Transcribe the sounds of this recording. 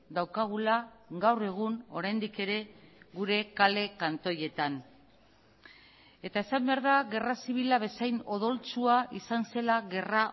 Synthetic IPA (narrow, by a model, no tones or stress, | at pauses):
d̪awkaɣ̞ulaɡawre̞ɣ̞uno̞ɾajnd̪ike̞ɾe̞ɣuɾe̞kale̞kant̪o̞je̞t̪an | e̞t̪ae̞sambe̞aɾðaɣe̞rasiβ̞ilaβ̞e̞sajno̞ðo̞lt͡suaʔisanse̞laɣe̞ra